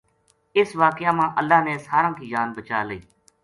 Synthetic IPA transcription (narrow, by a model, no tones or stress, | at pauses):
ɪsʋaːkɪjaːmãːʔəlːaːneːsaːɾãːkiːd͡ʒaːnbət͡ʃaːləiː